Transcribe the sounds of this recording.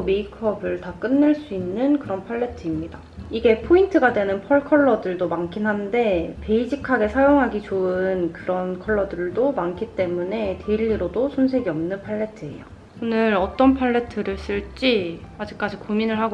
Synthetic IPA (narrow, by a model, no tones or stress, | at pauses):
me̞ikʰʌbɯɭtak͈ɯnːɯɭs͈uinːɯnkɯɾʌnpʰaɭːe̞tʰɯimɲida | iɡe̞pʰointʰɯɡadwe̞nɯnpʰʌɭkʰʌɭːʌdɯɭdomaŋkʰinɦande̞pe̞id͡ʑikʰaɡe̞sʰajoŋɦaɡit͡ɕoɯnkɯɾʌnkʰʌɭːʌdɯɭdomaŋkʰit͈e̞mune̞teiʎːiɾodosʰons̬ʰe̞ɡiʌmnɯnpʰaɭːe̞tʰɯe̞̰jo̰ | onɯɾʌt͈ʌnpʰaɭːetʰɯɾɯɭs͈ɯɭt͡ɕ͈iad͡ʑik̚k͈ad͡ʑikominɯɭɦaɡ